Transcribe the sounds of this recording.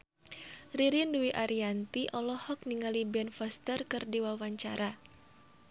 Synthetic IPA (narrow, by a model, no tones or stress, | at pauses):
riɾinduiʔaɾiant̪iʔɔlɔhɔk̚niŋalibɛnfɔst̪ərkɨrdiwawaɲt͡ʃaɾa